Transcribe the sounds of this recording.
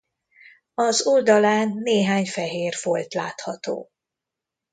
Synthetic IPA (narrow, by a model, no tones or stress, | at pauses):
ɒzuld̪ɒlaːnːeːɦaːɲfɛɦeːrfo̞lt̪la̰ːt̪hɒt̪o̰ː